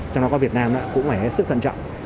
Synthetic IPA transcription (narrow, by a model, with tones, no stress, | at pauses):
t͡ɕɔ˧wŋ͡mɗɔ˨˦kɔ˧˦vi˨˩ət̚naː˧mla̰ː˧˦kʊ̰˧˥ŋ͡mfaː˧˩hsɨ˦˥k̚t̪ʰə̰˧˨nt͡ɕɔ̰˧˨wŋ͡m